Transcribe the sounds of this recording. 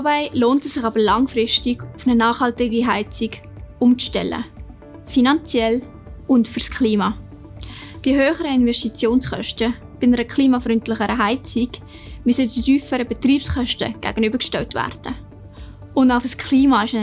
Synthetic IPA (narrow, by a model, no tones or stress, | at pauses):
baɪloːntɛsːɪχɑːbəlɑŋfrɪʃtɪɡ̥ʊfnənɑːχhɑltɪɡiɦæɪt͡sɪɡ | ʊmt͡sʃtɛlːə̰ | finɑnt͡sjɛl | ʊntfʏɾskʰliːmɑː | d̥iəɦøːχəɾəɪnvɛstit͡sjoːnsχœ̰ʃtə | b̥ɪnəɾəkʰliːmɑfɾʏntlɪχəɾəɦæɪt͡sɪɡ̥ | mysədidyːfəɾəbɛt̪riːpsχœʃtə̰ɡ̥æ̰ːɡ̥ənybəɾkʃtɛltvæ̰ːrd̥ə | ʊndaʊfəskʰliːmɑɪʃə